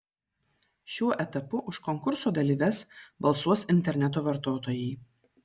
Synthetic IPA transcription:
ʃʲuɔʔɛt̪ɐpʊʔʊʃkɔŋkʊɾsoːd̪ɐlʲiːʋʲɛsbɐlˠsuɔsɪnʲt̪ʲɛɾʲnʲɛt̪̬oːʋɐɾt̪oːt̪oːjɛɪ

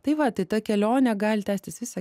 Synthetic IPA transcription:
t̪ɐɪʋɐt̪ɐɪt̪ɐkʲɛlʲoːnʲɛɡɑːlʲɪt̪ʲæːsʲt̪ʲɪsʋʲɪsɐ

